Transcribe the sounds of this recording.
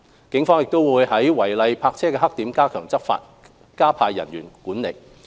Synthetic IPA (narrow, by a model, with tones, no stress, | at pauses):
kɪ˨˥ŋfɔː˥ŋjɪ˨k̚t̪o˥wwuː˨˧jhɐ˨˥jwɐ˨˩jlɐ˧jpʰaː˧k̚t͡sʰɛː˥kɛː˧ɦɐ˥k̚t̪iː˨˥mkaː˥kʰœː˨˩ŋt͡sɐ˥tfa̰ː˧t̚ | kaː˥pʰaː˧jːɐ̰˨˩nɥyː˨˩nkuː˨˥nlḛ˨˩j